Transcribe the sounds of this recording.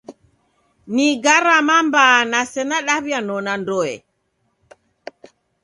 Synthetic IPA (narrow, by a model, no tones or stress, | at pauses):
niɡaɾamambaːnasɛnaɗaβjanɔnandɔɛ̰